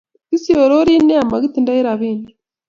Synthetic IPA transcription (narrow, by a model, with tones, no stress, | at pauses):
ki˦si˦o˨ɾo˦ɾi˦ne˦a˨ma˨ɡi˦t̪i˨nda˦i˦ɾa˨βiː˦ne